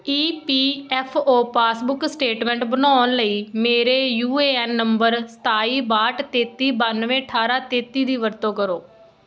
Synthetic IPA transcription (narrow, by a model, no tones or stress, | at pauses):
iːpiːɛːpʰoːpaːsbʊksʈeːʈmɛ̃ːɳʈbənaːnləiːmeːɾeːjuːeːɛːnːəmbəɾst̪aːiːbaːʈt̪eːt̪iːbənʋẽːəʈʰaːɾaːt̪eːt̪ːiːd̪iːʋəɾt̪õːkəɾoː